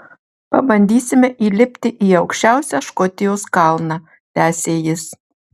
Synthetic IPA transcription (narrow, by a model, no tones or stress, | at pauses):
pɐ̰bɐnʲd̪ʲiːsʲɪmʲɛʔiːlʲɪpʲt̪ʲɪʔiɐʊkʃʲt͡ʃʲæʊsʲæʃkɔt̪ʲɪjoːskɑlˠnɑ | t̪ʲæːsʲeːjɪs